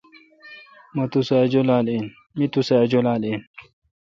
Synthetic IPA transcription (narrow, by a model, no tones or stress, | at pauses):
mɐt̪usad͡ʑolaːlen | mit̪usad͡ʑolaːlen